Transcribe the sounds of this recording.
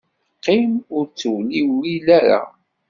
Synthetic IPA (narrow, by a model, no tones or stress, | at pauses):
qːimʊɾt͡sːəwliwilæɾa̰